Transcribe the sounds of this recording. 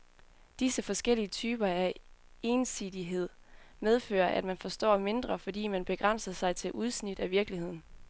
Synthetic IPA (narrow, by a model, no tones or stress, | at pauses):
d̥isəfɒ̽sɡ̥el̰iət͡sʰyːb̥ɐæ | e̝ːnsið̥ˠiɦe̝ð̞̰ˠ | með̞ˠfø̰ːɐʔæd̥mænfɒ̽sd̥ɒ̰ːme̝nd̥ʁɐfɒ̽d̥ḭːmænb̥e̝ɡ̥ʁan̰sɐsɑ̈ɪt͡sʰe̝lʔuð̞ˠsnid̥æʋiɐɡ̥lihe̝ð̰ˠn̩